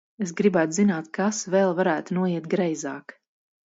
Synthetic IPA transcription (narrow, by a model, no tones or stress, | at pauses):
es̬ɡɾibæːt̪zinaːt̪kasvɛlˠvaɾæːt̪unuɔiɛt̪̚ɡɾɛjzaːk